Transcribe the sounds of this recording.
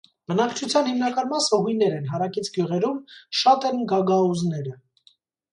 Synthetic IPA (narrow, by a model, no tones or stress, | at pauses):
bənɑkt͡ʃʰut͡sʰjɑnhimnɑkɑnmɑsəɦujnɛɾɛnɦɑɾɑkit͡sʰɡjuʁɛɾumʃɑt̪ɛnɡɑɡɑuznɛɾə